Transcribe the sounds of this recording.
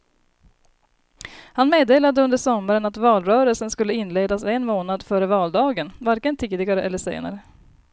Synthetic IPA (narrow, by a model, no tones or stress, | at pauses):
hanmeːd̪eːlad̪əɵnd̪əʂɔmːaɾənat̪vɑːlɾœːɾəlsənskɵlːəɪnːleːd̪asɛnmoːnad̪fœːɾəvɑːld̪ɑːɡənvaɾkənt̪ʰiːd̪ɪɡaɾəʔɛlːəʂḛːna̰ɾə